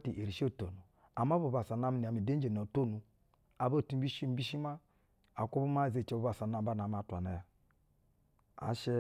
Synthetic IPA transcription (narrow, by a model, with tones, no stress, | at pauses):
ti˨ʔe˨ɾi˨ʃo˦˨to˨nu˨ | a˨m˦a˦bu˨ba˨sa˨na˦mi˨n˨a˨mi˨de˦d͡ʒe˨no˨to˦˨nu˨ | a˨bo˦˨ti˦m̩˦bi˦ʃi˦m̩˦bi˦ʃi˦ma˦ | a˨ku˦bu˦ma˦˨ze˨t͡ʃe˨˦bu˨ba˨sa˨na˨˦ba˦˨na˨m˦a˨ta̰˨ne˨ | a̰˨ʃe˦